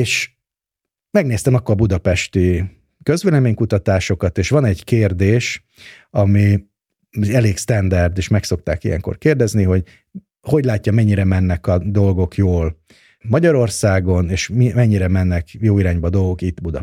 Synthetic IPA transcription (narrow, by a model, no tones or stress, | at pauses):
eːʃ | mɛɡneːst̪ɛmɒkːoɒbud̪ɒpɛʃt̪i | kø̞zʋeːlɛmeːɲkut̪ɒt̪aːʃo̞kɒt̪eːʃʋɒnɛɟkeːrd̪eːʃ | ɒmi | ɛleːkst̪ɛnd̪ɛrd̪eːʃmɛkso̞k̚t̪aːkijɛ̰ŋko̰rkeːrd̪ɛzniɦo̞ɟ | ho̞ɟlaːcːɒmɛɲːiɾɛmɛnːɛkɒd̪o̞lɡo̞kjoːl | mɒɟɒɾo̞rsaːɡo̞neːʃmimɛɲːiɾɛmɛnːɛkjoːiɾaːɲbɒd̪o̞lɡo̞kit̪ːbud̪ɒ̰